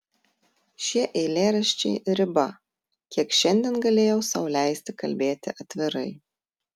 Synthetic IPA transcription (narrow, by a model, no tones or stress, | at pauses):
ʃʲiɛʔɛɪlʲeːɾɐʃʲt͡ʃʲɛɪɾʲɪbɐ | kʲiɛkʃʲɛnʲd̪ʲɛːnɡɐlʲeːjɛʊsɑˑʊlʲæˑɪsʲt̪ʲɪkɐlʲbʲeːt̪ʲɪʔɐt̪ʲʋʲɪɾɐɪ